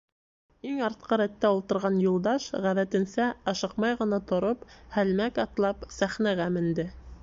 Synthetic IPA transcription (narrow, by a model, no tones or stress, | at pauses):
iŋɑɾt̪̚qɤɾæt̪ːæulˠt̪ɤ̆ɾʁɑnjulˠd̪ɑʃʁæðæt̪ɘ̆nsæɑʃɤqmɑjʁɤ̆nɑt̪ŏɾophælmækɑt̪lˠɑpsæχnæɣæmɘ̆nd̪ɘ